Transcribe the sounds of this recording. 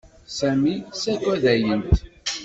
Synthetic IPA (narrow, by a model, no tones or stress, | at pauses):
sæmisækːæðæjənt̪